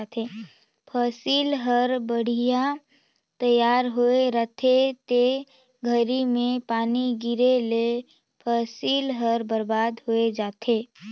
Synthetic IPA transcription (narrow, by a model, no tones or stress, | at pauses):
t̪ʰe | pʰaːsiːlɦəɾbəɽ̤ija | t̪əjaːɾɦoeɾət̪ʰet̪e | ɡʱəɾimẽpaːniɡɪɾele | pʰaːsiːlɦəɾbəɾbaːd̪ɦoed͡ʒaːt̪ʰeː